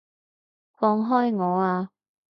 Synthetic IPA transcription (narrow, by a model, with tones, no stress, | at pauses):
fɔː˧ŋɦɔː˥jŋɔː˨˧˦aː˧